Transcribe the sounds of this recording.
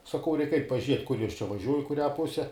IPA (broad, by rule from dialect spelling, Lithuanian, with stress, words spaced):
sɐˈkɐʊ ˈrʲɛɪk ˈɐɪtʲ pɐˈʒʲiɛtʲ kʊr ˈjoːs t͡ʃʲɛ ʋɐˈʒʲuɔj ɪ kʊˈrʲæː ˈpʊsʲɛ